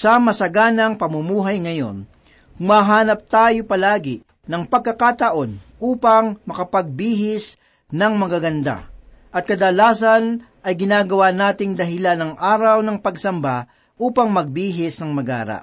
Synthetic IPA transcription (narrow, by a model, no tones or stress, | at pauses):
sɐmɐsɐɡaːnɐŋpɐmʊmuːɦɐjŋɐjo̞̰n | kʊmaɦaːnɐp̚t̪aːjopɐlaːɡɪ | nɐŋpɐɡ̚kːɐkaːt̪ɐʔo̞nʔuːpɐŋmɐkɐpɐɡ̚biːɦɪs | nɐŋmɐɡaɡɐnd̪a̰ | ʔɐt̪̚kɐd̪ɐlaːsɐn | ʔɐjɡɪnaːɡɐwanaːt̪ɪŋd̪ɐɦɪlanɐŋʔaːɾɐwnɐŋpɐɡsɐmba | ʔuːpɐŋmɐɡ̚biːɦɪsnɐŋmɐɡa̰ːɾa̰ʔ